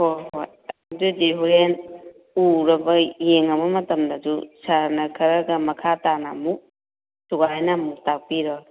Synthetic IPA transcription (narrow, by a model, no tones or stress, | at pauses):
hojɦoj | adud͡ʒeɦuɾen | uɾɐbɐjeŋɐmɐmɐtɐmdɐdusaɾnɐkʰɐɾɐɡɐmɐkʰatanamu | suɡajnamutapiɾɔ